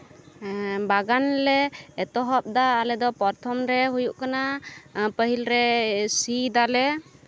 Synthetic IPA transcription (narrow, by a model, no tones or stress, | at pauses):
baɡanlɛːt̪ɔɦɔp̚d̪aːlɛd̪ɔpɔɾt̪ʰɔmɾɛɦujuʔkanapəɦilɾɛsid̪alɛ